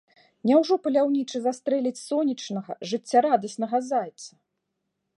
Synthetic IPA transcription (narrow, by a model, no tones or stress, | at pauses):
nʲawʐɔpɐlʲawnʲit͡ʂɨzast̪ɾɛlʲit͡sʲsɔnʲit͡ʂnɐɣɐ̰ʐɨt͡sʲːaɾad̪ɐsʲnɐɣazajɛt̪sːɐ